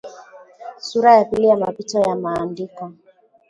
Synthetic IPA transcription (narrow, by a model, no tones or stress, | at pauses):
suɾajapilijamapitɔjamaːndikɔ